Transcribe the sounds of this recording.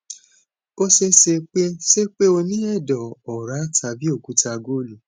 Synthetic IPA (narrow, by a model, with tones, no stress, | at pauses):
bɔ˦ʃe˦ʃe˧k͡pe˦ʃe˦k͡pe˦o˧nĩ˦ɛ˦˨dɔ˨ɔ˨ɾa˨˦tʰa˧bi˦o˦˨ku˨˦ta˧ɡo˦˨lu˨